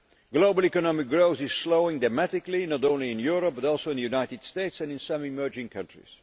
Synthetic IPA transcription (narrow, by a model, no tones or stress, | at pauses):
ɡloʊbəlˠikɔnɑmɪk̚ɡɹoʊθɪz̥sloʊɪ̃ŋdamætɪklinɔɾõʊ̃nliɪ̃njuɹɔp̚b̥ʌɾɔlˠsoʊɪ̃nðəjunaɪtɨd̥steɪtsɛ̃nɪ̃nsʌ̃mɪmɜ˞d͡ʒɪ̃ŋkʰʌ̃ntɹḭz̥